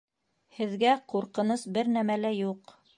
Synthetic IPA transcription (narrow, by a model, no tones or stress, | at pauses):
hɘ̆ðɡæquɾqɤ̆nɤsbɘɾnæmælæjuq